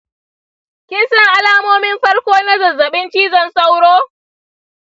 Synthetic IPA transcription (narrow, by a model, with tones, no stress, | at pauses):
kʲɪ˦nsɐ˦ŋʔa˦laː˦moː˦mɪ˦mɸɐ˦rkʷoː˦nɐ˦zɐ˨zɐ˨ɓɪ˦nt͡ʃiː˦zɐ˨nsa˦wɽoː˦